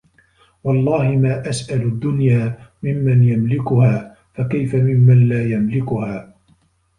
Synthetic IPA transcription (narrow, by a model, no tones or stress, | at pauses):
wɑlˤːɑːhɪmaːʔasʔalʊd̪ːʊnjaːmɪmːanjamlɪkʊhaː | fakajfamɪmːanlaːjamlɪkʊhaː